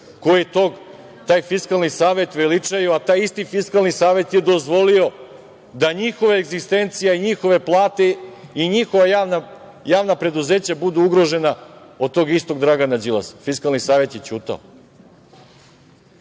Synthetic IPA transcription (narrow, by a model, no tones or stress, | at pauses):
kojet̪oɡ | t̪aːjfiskalˠnisaːʋe̞t̪ʋelit͡ʂajuat̪aːjist̪ifiskalˠnisaːʋe̞t̪je̞d̪o̞zʋo̞lio̞ | d̪aɲixo̞ʋeeɡzist̪e̞nt̪sijaiɲixo̞ʋe̞plˠaːt̪e̞iɲixo̞ʋajana | jaːʋnapɾe̞d̪uze̞ːt͡ɕabud̪uuɡɾo̞ʒe̞nao̞d̪̚t̪o̞ɡist̪o̞ɡd̪ɾaɡanad͡ʑilˠa̰sfiskalnisaːʋje̞t̪jet͡ɕuːt̪a̰o